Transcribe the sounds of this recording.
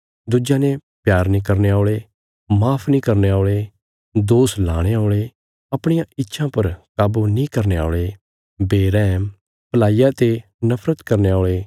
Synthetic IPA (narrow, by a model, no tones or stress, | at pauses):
d̪ud͡ʒaːnepjaːɾnĩːkɐɾneaːɭeː | maːpʰnĩːkɐɾneaːɭe | d̪oːsla̰ːɽ̃eaoːɭeː | ɐpɽ̃ijãɪtːʃʰãpɐɾkaːbunĩːkɐɾnea̰ːɭe | beːɾɛːm | pəlaːijat̪e | nɐpʰɾət̪kɐɾneoːɭeː